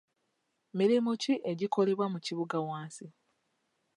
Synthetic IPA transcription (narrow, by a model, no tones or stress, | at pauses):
miɾimuciʔe̞ɟiko̞leβwamuciβuɡawaːnsi